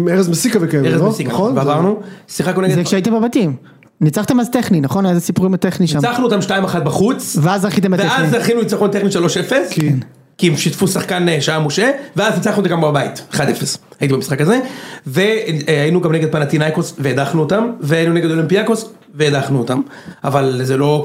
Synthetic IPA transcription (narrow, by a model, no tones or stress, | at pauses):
meʁezmesikavekeeʁezesikaveavaʁnusiχakoneɡzekʃeait̪embebat̪im | nit͡saχt̪emazt̪eχninaχo̞nezesipuʁimat̪eχniʃiamt͡saχnuot̪amʃtaimaχat̪̚baχut͡sveazaʁχit̬embtveeazaʁχinulit͡saχont̪eχniʃalo̞ʃefesk | kiimʃit̪fusaχkaneʃaamoʃeveaznit͡saχnuotaɡambabait̪eχad̪efeshajit̪̬ibemisχakaze̞veainuɡamneɡed̪̚panat̪inajkosveed̪aχnuot̪amveainuneɡed̪olimpiako̞s | veːd̪aχnuot̪ama̰valzelo̞